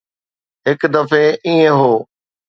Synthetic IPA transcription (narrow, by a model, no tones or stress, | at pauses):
ɦɪkd̪ɐfeʔiːẽɦoː